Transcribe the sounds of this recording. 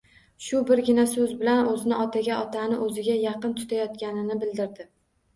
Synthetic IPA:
ʃʊbɪɾɡʲɪnasɵzbɪlanɵzɪnɪɒt̪ʰaɡʲaʔɒt̪ʰanɪʔɵzɪɡʲajɑqɨnt̪ʰʊ̥t̪ʰajɒt̪̚kʲanɪnɪbɪld̪ɪɾd̪ɪ

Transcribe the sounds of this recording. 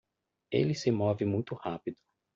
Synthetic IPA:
ḛlɪsɪmɔvɪmũj̃t̪ʊhapid̪ʊ

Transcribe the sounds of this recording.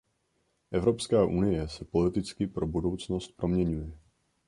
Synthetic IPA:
ʔɛvɾo̞pskaːʔunɪjɛsɛpo̞lɪt̪ɪt͡skɪpɾo̞budo̞wt͡sno̞st̪̚pɾo̞mɲɛɲujɛ

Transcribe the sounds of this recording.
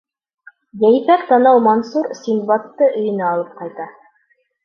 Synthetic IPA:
jæjfækt̪ɑnɑwmɑnsuɾsʲimbɑt̪ːɤʔɵ̆jɘ̆næɑlˠɤp̚qɑjt̪ɑ

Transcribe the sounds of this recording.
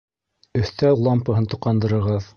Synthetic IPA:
ɵ̆θt̪ælˠɑmpɤ̆ɦɤnt̪uqɑnd̪ɤ̆ɾɤ̆ɾʁɤð

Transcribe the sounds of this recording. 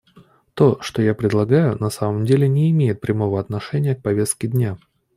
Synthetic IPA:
t̪o̞ʂt̪o̞japɾʲɪdlˠɐɡajʊnɐsaməmdʲelʲɪnʲɪːmʲejɪt̪̚pɾʲɪmo̞vəɐt̪nɐʂɛnʲɪjək̚pɐvʲe̞st̪̚kʲɪd̪ʲnʲa

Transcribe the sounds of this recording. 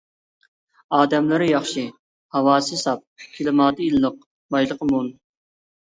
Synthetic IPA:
ɑːd̪ɛmlɪɾɪjɑχʃi | hɑwɑːsɨsɑp̚kʲʰilɪmɑːd̪ɨilˠːəq̚ | bɑjlˠəqʰəmun

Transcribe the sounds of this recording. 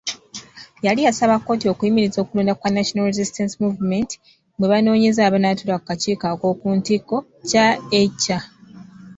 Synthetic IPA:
jalijasaβakːo̞ːtio̞kujimiɾizo̞ːkuluːndakwanaʃonalɾezistansimuvmenti̥ | mweβano̞ːɲe̞zaːβanatuɾakkːaciːkako̞ːkuːntiko̞ | caecːa

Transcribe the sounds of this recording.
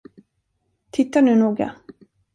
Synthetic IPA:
t̪ʰɪt̪ːaɳʉ̟ːnuːɡa̰

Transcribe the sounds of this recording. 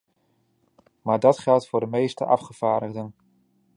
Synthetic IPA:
maːɹdɑtχɛlˠtfʊːɹdəmejstə̰ʔɑfχəv̥aːɹdəχdən

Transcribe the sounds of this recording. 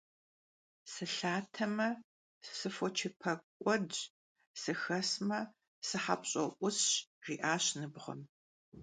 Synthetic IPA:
sɨɬaːtʰɐmɐ | sɨfɔt͡ʃʰɪpʰɐkʷʼɔd | sɨxɐsmɐ | sɨħa̰pʼɕʼɐʔʷʊsɕʁiːʔaːɕnɨbʁɐ̰m

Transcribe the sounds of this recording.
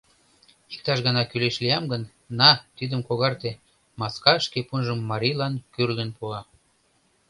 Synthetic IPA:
ik̚t̪ɑʃɣənɑkyleʃlijɑmɡənː | ɑt̪id̪əmkoɣɑrt̪e | mɑskɑʃkepunʒəmːɑɾʲijlɑnkyrlənpuɑ

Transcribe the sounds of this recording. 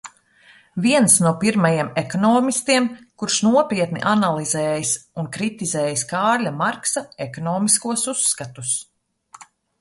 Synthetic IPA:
viɛnsnuɔpiɾmajiɛmekɔnɔːmist̪iɛmkuɾʃnuɔpiɛt̪nḭʔanalˠizɛːjisunkɾit̪izɛːjiskaːɾlʲamaɾksaekɔnɔːmiskuɔsusːkat̪us

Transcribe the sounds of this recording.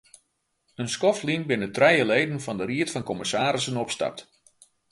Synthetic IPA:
ənskɔflinbɪnətrɛjəlejdənfɑndəriətfɑnkɔməsaːɾɪsənɔpsta̰p̚t

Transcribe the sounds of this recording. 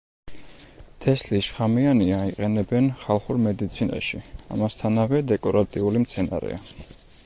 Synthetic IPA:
t̪ʰɛsliʃχamianiaiqʼɛnɛbɛnχalˠχuɾmɛd̪it̪sʰina̰ʃia̰mast̪ʰanavɛd̪ɛkʼɔɾat̪ʼiulimt̪sʰɛna̰ɾɛ̰a

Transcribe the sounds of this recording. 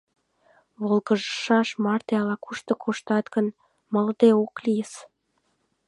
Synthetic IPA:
βolɣəʒəʃɑʃmɑrt̪eɑlɑkuʃt̪ə̆kʰoʃt̪ɑt̪ɡən | məld̪eoklijəs

